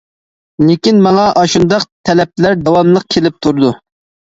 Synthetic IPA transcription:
lekʲinmɑŋɑʔɑʃund̪ɑq̚t̪ʰɛlɛp̚læɾd̪ɑwɑmlˠəq̚kʲʰelɪp̚t̪ʰuɾd̪u

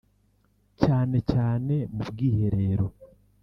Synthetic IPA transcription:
caːne̞caːne̞mubɡiːhe̞ɾe̞ːɾo̞

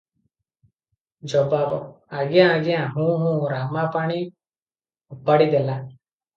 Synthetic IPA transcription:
d͡ʒɔbaːb | aɡjãaɡjãːɦũːɦũːɾaːmapaːɽ̃i | ʊpːaːɽid̪ela

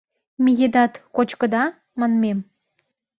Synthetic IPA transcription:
mijed̪ɑt̪kot͡ɕkəd̪ɑ | mɑnmem

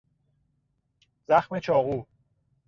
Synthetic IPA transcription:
zæxme̞t͡ʃʰɒːɣuː

